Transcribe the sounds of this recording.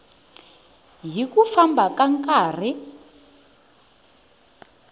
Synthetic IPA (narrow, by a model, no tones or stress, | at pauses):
ɦikufambakaŋkʼaːr̤i